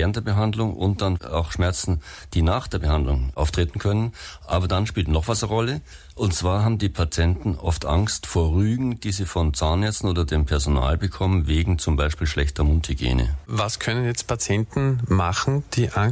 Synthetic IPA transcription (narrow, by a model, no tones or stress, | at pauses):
eːʁəntd̥eːɐbəɦandlʊŋʔʊ̰nt̚d̥ana̰ʊxʃmɛɐt͡sn̩ | d̥iːnaːχd̥eːɐbəhandlʊŋʔa̰ʊftʁ̥eːtn̩kʰœnənʔa̰ːbɐdanʃpiːltnɔχv̥asəʁɔlə | ʔʊntt͡sv̥aːɐɦaːbm̩diːpʰat͡sjɛntn̩ʔɔftʔaŋstfoːɐʁyːɡŋ̩d̥iːziːfɔnt͡saːnːɛɐt͡sn̩oːdɐdeːmpʰɛɐzona̰ːlbəkʰɔmənveːɡŋ̩t͡sʊmbaɪʃpiːlʃlɛçtɐmʊnthiɡḛːnə̰vaskʰœnənjɛt͡st̚pʰat͡sjɛntn̩maχn̩d̥iːʔa